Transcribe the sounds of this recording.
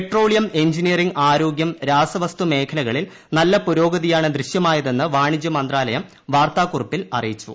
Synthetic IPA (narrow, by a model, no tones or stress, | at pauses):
pʈro̞ːɭijɐme̞ɲd͡ʑinijɐriŋɡaːɾo̞ːɡjɐmɾaːsɐʋɐst̪ume̞ːkʰɐlɐɣɐɭil | nɐlːɐpuɾo̞ːɡɐðijaːɳɨd̪riɕjɐmaːjɐðenːɨʋaːɳid͡ʑjɐmɐnd̪raːlɐjɐm | ʋaːrt̪aːkurɐpːilɐrijit͡ɕːṵ